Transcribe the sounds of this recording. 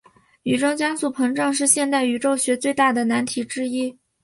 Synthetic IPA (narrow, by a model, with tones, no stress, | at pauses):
y˨˩ʈ͡ʂɑ˥ŋt͡ɕjɑ˥ŋsu˥˩pʰɤ˧˥ŋʈ͡ʂɑ˥˧ŋʂ̬ɻ̩˥˧ɕjɛ˥˧nt̪a˥˩ɪy˧˥ʈ͡ʂo˥˩ʊɕɥɛ˧˥t͡swe˥˧ɪt̪a˥˩d̪ə˩na˧˥nt̪ʰi˨˥ʈ͡ʂɻ̩˥i˥